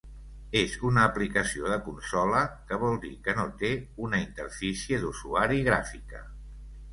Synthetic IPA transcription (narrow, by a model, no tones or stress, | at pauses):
ezunəːplikəsioðəkunsɔləkəβ̞ɔlˠd̪ḭkənot̪eunəint̪ərfisiəðuzuaɾiɣ̞ɾa̰fikə̰